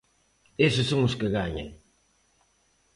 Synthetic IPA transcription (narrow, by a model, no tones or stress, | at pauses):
esɪsːoŋʊskɪɣaɲa̰ŋ